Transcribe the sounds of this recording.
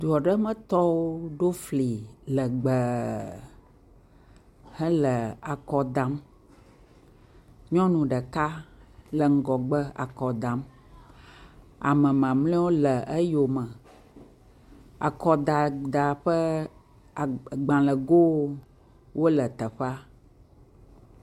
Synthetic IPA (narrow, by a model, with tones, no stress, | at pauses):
d̪u˨ɔ˨ɖə˦mə̃˦t̪ɔ˦wo˦ɖo˦fli˨lə˨ɡ͡bə˨ | hə˦lə˨a˨kɔ˨d̪a˨m | ɲɔ̃˦nũ˨ɖə˨ka˦lə˨ŋ̩˦ɡɔ˨ɡ͡bə˦a̰˨kɔ˨d̪ã˨m | a̰˨mə̃˨mã˨mlẽ˦wo˦lə˨ʔə˦jo˨mə̃˨ | a̰˨kɔ˨d̪a˨d̪a˨ɸə˦˨ | ɡ͡bã˨lə˨ɡo˦ | wo˦lə˨t̪ə˨ɸɛ˦a˦